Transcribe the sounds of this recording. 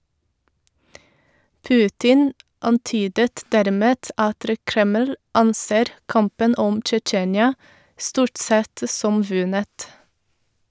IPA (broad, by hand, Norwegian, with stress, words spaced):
ˈpʉːtɪn ɑnˈtyːdət ˈdæɾˌmeːt ˈʔɑtɾə ˈkɾɛməl ˈɑnˌseːɾ ˈkɑmpən ˈɔm t͡ʃəˈt͡ʃeːnjɑ ˈstuːʈ ˈsɛt ə ˈsɔm ˈʋʉnət